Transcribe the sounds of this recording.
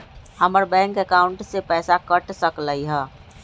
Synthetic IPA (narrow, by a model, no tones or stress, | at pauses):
həməɾbɛ̃ːŋkəkaːʊɳʈsepɛːsakəʈsəkləiɦɛː